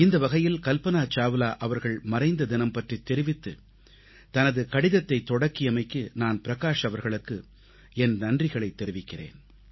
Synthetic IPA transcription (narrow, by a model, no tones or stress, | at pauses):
ɪnd̪ɐʋɐɣɐjɪlkɐlpɐnaːt͡ʃaːʋɯlaːʔɐʋɐɾɣɐɭmɐrɐɪnd̪ɐd̪ɪnɐmpɐʈrit̪ːɛɾɪʋɪt̪ːɯ | t̪ɐnɐðɯkɐɽɪðɐt̪ːɐɪt̪ːɔɽɐkːɪjɐmɐɪkːɯnaːnpɪɾɐɣaːʂɐʋɐɾɣɐɭɯkːɯ | ɛnnɐndrɪɣɐɭɐɪt̪ːɛɾɪʋɪkːɪrḛːn